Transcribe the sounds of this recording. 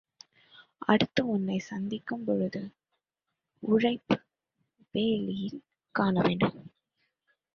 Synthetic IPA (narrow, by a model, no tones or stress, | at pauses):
ʔɐ̰ɽɯt̪ːɐʊnːɐɪsɐnd̪ɪkːɯmpɔɻɯðɯ | ʊɻɐɪpːɯ | ʋeːlɪjɪl | kaːnɐʋeːɳɖɯm